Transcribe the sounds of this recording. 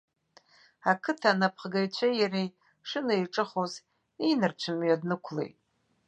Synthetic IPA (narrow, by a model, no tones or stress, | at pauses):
akʰɨtʰanapʰχɡajt͡ɕʷʰajarej | ʂɨnaiʈ͡ʂʼɨχoz | inɨrt͡ʃʷʰɨmɥadnɨkʷʰlḛjtʼ